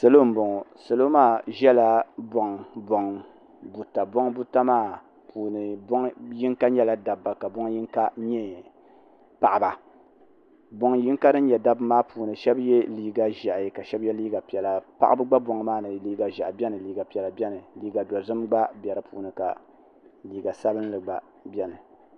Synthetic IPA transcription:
sɨ˨lo˦m̩˦˨bo˨ŋ˨sɨ˨lo˦maː˦ʒɛ˦la˨bɔ˨ŋbo˨ŋ | bu˨ta˨bo˦ŋbu˦ta˦maː˦˨ | pʰuː˨nɨ˨bo˦ŋji˦ŋka˦ɲɛ˦la˦da˨bːa˨ka˨bo˦ŋ˦ji˦ŋ˦ka˦ɲɛ˦ | pa˨ʔa˨ba˨ | bo˨ŋji˦ŋ˦ka˦dɨ˦n˦ɲɛ˨da˦bɨ˦maː˦pʰuː˨nɨ˨ʃɛ˦bjɛ˦liː˨ɡa˨ʒɛ˨ʔjka˨ʃɛ˦bjɛ˦liː˦ɡa˨pi˨ɛ˨la˨pa̰˦ʔbɨ˦ɡ͡ba˦bo˨ŋ˨˦maː˦nɨ˨liː˦ɡa˨ʒa˨ʔbɛ˦nɨ˨liː˨˦ɡa˨pi˨ɛ˨la˨bʲɛ˦nɨ˨liː˦ɡa˨dɔ˨zɨ˦mɡ͡ba˦bʲɛ˨ɾɨ˨pʰṵː˨nɨ˨ka̰˨ | liː˨ɡa˨sa˦bɨ˦n˦lɨ˨ɡ͡ba̰˨ | bʲɛ˦nɨ˨

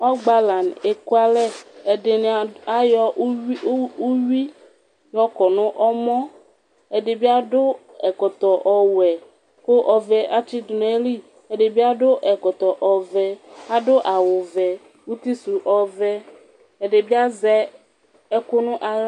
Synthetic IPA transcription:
ɔ˦ɡ͡ba˨la˨ne˨ku˦a˦lɛ˦e˨de˨n˨a˦jɔ˦u˦wi˦ | jɔ˦kɔ˨nʊ̃˦ʔɔ˦mɔ̃˦ | e˨ɖe˨bi˦a˦dʊ˦ | ɛ˨kɔ˨t̪ɔ˨ʔɔ˨wɛ˨ | ko˦ʔɔ˨vɛ˨ʔa˦t͡ʃi˦dn˨˦e˦li˦ | e˨ɖe˨bi˦a˦ɖʊ˦ʔɛ˨kɔ˨t̪ɔ˨ʔɔ˨vɛ˨a˦ɖʊ˦ʔa˨wʊ˨vɛ˨ | wu˦t̪i˦su˨ʔɔ˨vɛ˦ | e˨ɖe˨bi˦a˦zɛ˦ | e˦kʊ˦nʊ̃˦ʔa˨l

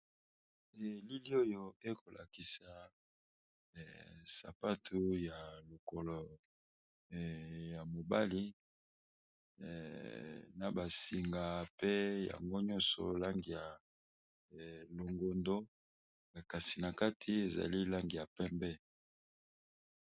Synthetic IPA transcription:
ɛ˨li˦li˦o˦jo˦e˦ko˨lʔa̰˨ki˨sa˨ | sa̰˨pa˦tʰu˦ja˨lo˨kɔ˨lɔ˨ | ja˨mo˨ba˦li˦˨ | na˨ba˨si˨ŋɡa˨pe˦ja̰˨ŋɡo˦ɲɔ˦nsɔ̰˨la˦ŋɡi˨ja˨ | lo˨ŋɡo˨ndo˦ | a˨ka˨si˨na˨ka˦tʰi˦e˨za̰˨li˦la˦ŋɡi˨ja˨pɛ˦mbɛ˦

